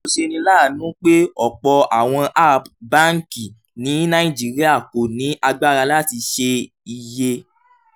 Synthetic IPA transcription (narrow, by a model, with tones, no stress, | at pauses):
o˧˨ʃe˧nĩ˧laː˦˨nũ˦k͡pe˦ɔ˨k͡pɔ˧a˨w̃ɔ̃˧ʔa˦˨ba˦ŋ̩˨ki˨ | nĩ˨˦nã˦ĩ˦˨d͡ʒi˨ɾi˦a˦˨ko˨nĩ˨˦ʔa˧ɡ͡ba˦ɾa˧la˦˨ti˧ʃe˧ | i˧je˧